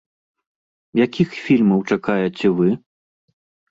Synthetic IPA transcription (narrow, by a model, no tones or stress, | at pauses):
jakʲixfʲilʲmɐwt͡ʂakajɛt͡sʲɛvɨ